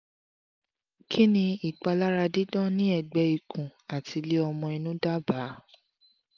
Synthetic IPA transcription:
kʰi˦nĩ˧i˨k͡pa˧la˦ɾa˧di˦dɔ̃˦˨nĩ˦ɛ˨ɡ͡bɛ˧i˨kʰũ˨a˨ti˧le˦ɔ˧mɔ̃˧i˧nũ˦da˦ba˨˦

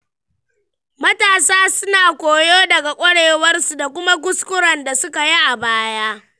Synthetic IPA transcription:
mɐ˦taː˨saː˦sʊ˦naː˨kʷoː˨joː˦dɐ˨ɡa˨kʷʼɐ˦ɽeː˨wɐ˦rsu˨da˨kʷʊ˦ma˦k̬ʊ˦skʷʊ˦ɽɐ˨nda˨sʊ˦ka˨ji˦ʔa˨baː˦jaː˦

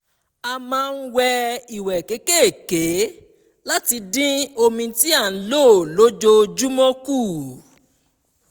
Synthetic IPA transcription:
a˧mãː˦˧n̩˦wɛ˧i˨wɛ˨ke˨˦ke˦e˦˨ke˨˦ | la˦ti˧dĩ˦o˧mĩ˧ti˦a˦˨n̩˨˦lo˦˨lo˦d͡ʒo˧d͡ʒu˦mɔ̃˦ku˦˨

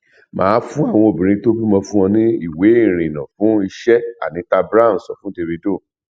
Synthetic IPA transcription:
mã̰ː˨˦fũ˦a˦˨w̃ɔ̃˧o˨bĩ˨ɾ̃ĩ˧to˦bi˦mɔ̃˧fũ˦ɔ̃˧nĩ˦i˦˨we˨˦i˦˨ɾ̃ĩ˨nã˨fũ˨˦i˧ʃɛ˦a̰˦˨nĩ˨˦ta˦˧bɾa˦˨ñ̩˨sɔ˨fũ˨˦de˧ve˧do˦˨

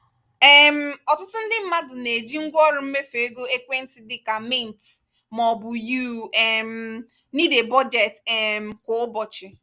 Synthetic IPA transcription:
e˦˨m̩˦ɔ˨tʊ˦tʊ˦n̩˦dɪ˦m̩˦ma˦dʊ˨ne˨d͡ʒi˦ŋ̩˦ɡʷɔ˦ɾʊ˨m̩˦me˦fe˨e˦ɡo˦e˦kʷe˦n̩˦tɪ˨dɪ˨ka˨mɪ˦˨n̩˨t | mɔ˨bʊ˨ju˦e˨m̩˦ | ni˦de˨bɔ˦d͡ʒe˨te˨m̩˨kʊ˨ʊ˦bɔ˨t͡ʃɪ˨

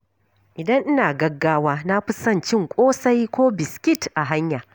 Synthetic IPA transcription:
ʔɪ˨dɐ˦ŋʔɪ˦naː˨ɡɐ˦ɡːaː˦waː˦na˦ɸʊ˦sɐ˦˨nt͡ʃɪ˦ŋkʷʼoː˦sa˦jkʷoː˦bɪ˨skʲɪ˦tʔa˨ɦa˦ɲjaː˨

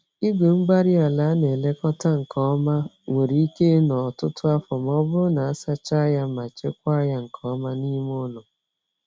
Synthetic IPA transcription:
i˦ɡʷe˨m̩˦ɡ͡ba˦ɾi˦a˨la˨˦ne˨le˦kɔ˦ta˦ŋ̩˨kʰɔ˦ma˦ | ŋʷe˨ɾi˨i˦ke˦nɔ˨tʊ˦tʊ˦a˦fɔ˨m˦ɔ˦bʊ˦na˨a˦sa˦t͡ʃa˦ja˦ma˨t͡ʃe˦k̚ʷa˦ja˦ŋ̩˨kʰɔ˦ma˦ni˦m˦ʊ˦nʊ˨

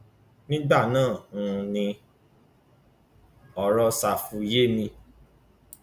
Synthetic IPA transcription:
nĩ˦ɡ͡ba˦˨nãː˦˨˧nĩ˧ | ɔ˨ɾɔ˧sa˧fu˧je˦nĩ˧

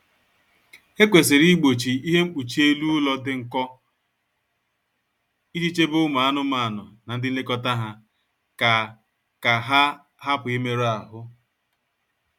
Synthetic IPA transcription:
e˦kʷe˨sɪ˨ɾi˦ɡ͡bo˨t͡ʃi˨i˦ɦe˦m̩˦k͡pu˨t͡ʃi˦e˦lu˦lɔ˦dɪ˦ŋ̩˨kɔ˦ | i˦d͡ʒi˦t͡ʃe˦bʊ˦ma˨a˦nʊ˦maː˨nʊ̰˨na˨n̩˦dɪ˦lɪ˦kɔ˦ta˦ɦa˦ | ka˨ | ka˨ɦa˦ | ɦa˦pʊ˨i˦me˦ɾa˨ɦʊ˦

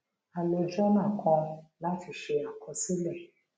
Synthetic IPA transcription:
a˨lo˨d͡ʒɔ˦nã˦˨kʰɔ̃˧la˦ti˧ʃe˧a˨kʰɔ̃˧si˦lɛ˦˨

